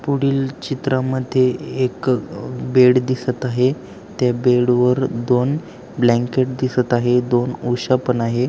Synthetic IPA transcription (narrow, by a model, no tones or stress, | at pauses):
puɽiːlt͡ɕit̪ɾaməd̪ʱːjeːk | beɽd̪isət̪aɦe | t̪jabeɽʋəɾd̪on | blɛ̃ŋkeʈ̚d̪isət̪aɦed̪onuɕapənaɦe